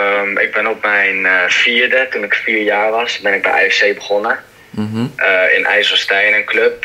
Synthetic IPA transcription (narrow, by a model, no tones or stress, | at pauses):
əmɪ̰ɡ̚bɛnɔp̚mɛjnfiːɹdətunɪkfiːɹjaːɹʋɑsbɛnɪɡ̚bɛjʔa̰ːɛsejbəχɔnə | ɪ̰nʔɛ̰jsəstɛjnənkløp̚